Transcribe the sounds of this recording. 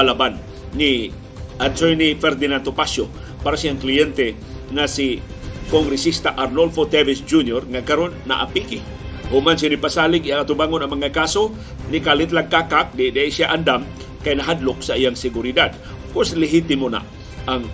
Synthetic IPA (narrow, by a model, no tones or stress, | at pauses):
alabanː | i | ansojnifɛrd̪inant̪opaso | paɾasiaŋkliɛnt̪e | ŋasi | kɔŋɡɾisist̪aʔarnɔlfot̪evisd͡ʒuniɔrŋakaɾʊnːa̰ʔa̰piki | homansinipasalikjaŋat̪ubaŋʊnamaŋakaso | nikalit̪lakːakak̚dedsiaʔandam | kajnaɦadlʊk̚saijaŋsekuɾidad̚ | kuslɛɦit̪imona̰ | aŋ